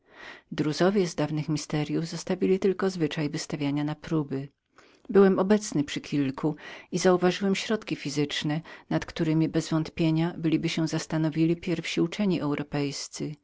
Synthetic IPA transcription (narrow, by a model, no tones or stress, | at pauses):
d̪ɾuzɔvʲjɛzd̪avnɘxmʲist̪ɛɾʲjuvzɔst̪avʲilʲit̪ɘlkɔzvɘt͡ʂajvɘst̪avʲjaɲanapɾubɘ | bɘwɛmɔbɛt̪snɘpʂɘkʲʰilkʰuizauvaʐɘwɛmɕɾɔt̪kʲifʲizɘt͡ʂnɛnat̪kt̪uɾɘmʲibɛzvɔnt̪pʲjeɲabɘlʲibɘɕɛzast̪anɔvʲilʲipʲjɛɾfɕiut͡ʂɛɲiʔɛwɾɔpɛjst̪sɘ